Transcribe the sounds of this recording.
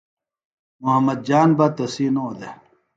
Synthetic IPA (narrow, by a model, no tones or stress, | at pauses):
muɦɐmːɐd̪̚d͡ʑaːnbɐt̪ɐsinod̪e